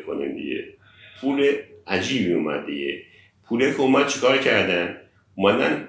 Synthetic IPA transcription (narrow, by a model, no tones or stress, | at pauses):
kʰonḭmd̪ḭɟḛ | pʰuleæd͡ʒiːbmijumæ̰d̪̚d̪iɟe | pʰulekʰumæd̪̚t͡ʃʰekʰɒːɾcʰæɾd̪æn | umæd̪æ̰n